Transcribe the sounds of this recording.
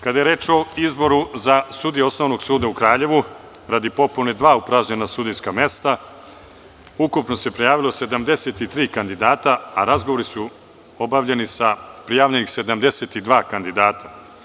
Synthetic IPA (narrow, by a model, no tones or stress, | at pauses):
kad̪ajeɾe̞ːt͡ʃo̞izbo̞ɾuzasuːd̪ijeo̞snoʋno̞ɡsuːd̪aukɾaːʎe̞ʋu | ɾad̪ipo̞puned̪ʋaːupɾaʒɲenasud̪ijskame̞st̪a | ukupno̞se̞pɾejaːʋilo̞se̞d̪amd̪e̞set̪it̪ɾiːkand̪id̪aːt̪aaɾazɡoʋo̞ɾisu | o̞baʋʎe̞nisapɾijaːʋʎenixse̞d̪amd̪e̞set̪id̪ʋaːkand̪id̪aːt̪ʰa